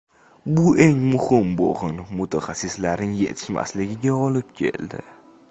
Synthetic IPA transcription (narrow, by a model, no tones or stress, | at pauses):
bʊʔe̞ŋmʊhɪmbo̰ʁɪnmʊt̪ʰaχasːɪslaɾnɪŋje̞̰t̪ʰɪ̥ʃma̰slɪɡʲɪɡʲaɒlɪp̚kʲʰe̞̰ld̪ɪ̰